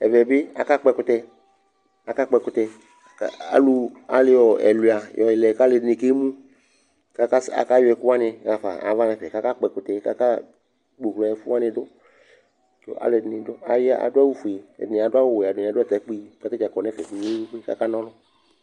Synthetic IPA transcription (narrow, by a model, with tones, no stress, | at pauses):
ɛ˨vɛ˨bɪ˦a̰˨ka˦k͡pɛ˧kʊ˨t̪ɛ˧ | a˨ka˦k͡pɛ˧kʊ˨t̪ɛ˧˨ | a̰˨lu˨a̰˨lɪ˦jɔ˨ɛ̰˨lu˨a˨jɔ˨jɪ˨lɛ˨ka˦lɪ˨dnɪ˨ke˦mũ˦ | ka˦ka˦sa̰˨ka˦jʊ˦ɛ˨kʊ˦a˦nɪ˧a˨fa̰˨a̰˨˦va˦nɛ̃˨fɛ˨ka˦ka˦k͡pɛ˨kʊ˨t̪ɛ˨ka̰˦ka˦ | ɡ͡bo˨klɔ˨ɛ˨fʊ˦a˦nɪ̃˧dʊ˦ | ɔ̰˦ʔa̰˨le˨dnɪ˨dʊ˦a˨ja̰˨dʊ˦a˦wu˦fu˨ḛ˨dnɪ̃˨a˨dʊ˦a˦wʊ˨a˨dʊ˨a˨˦ʊ˦ɛ˦t̪a˨˦k͡pi˦ka˦t̪ɛ˦d͡ʒa˨kɔ˨nɛ˦fɛ˨fi˨ɲ˦e˦wu˦kːka̰˦ka˦nɔ̃˦lʊ˦